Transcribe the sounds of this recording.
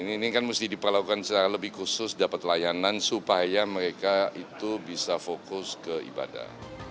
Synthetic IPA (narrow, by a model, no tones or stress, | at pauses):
niːnikanmust̪ɪhdipərlakukansət͡ʃaɾaləbɪhkusʊsdapat̪lajanansupajaməɾekait̪ubisafokʊskəḭba̰da̰